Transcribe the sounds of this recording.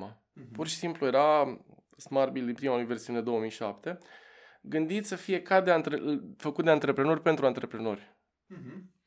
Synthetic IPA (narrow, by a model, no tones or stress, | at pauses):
a | purʃi̥simpluje̞ɾa | smarbild̪impɾimauluijve̞rsiuned̪o̞omijʃa̰pt̪e̞ | ɡɨnd̪it̪səfije̞kad̪eant̪ɾefəkut̪̚d̪eant̪ɾe̞pɾe̞no̞rʲpe̞nt̪ɾuant̪ɾe̞pɾe̞no̞rʲ